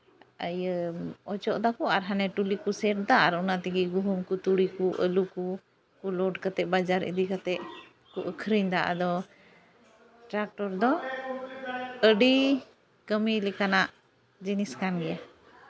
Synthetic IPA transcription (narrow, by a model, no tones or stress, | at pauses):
əjəɔt͡ʃɔʔd̪akuaɾɦanɛʈulikusɛʈ̚d̪aʔaɾɔnat̪iɡiɡuɦumkut̪uɽikuʔəluku | kulɔɖkət̪ɛʔbad͡ʒaɾḭd̪ikat̪ɛʔ | kuʔəkʰɾiɲd̪aʔa̰d̪ɔ | ʈɾak̚ʈɔɾd̪ɔ | əɖi | kəmilɛkanaʔ | d͡ʒiniskanɡɛja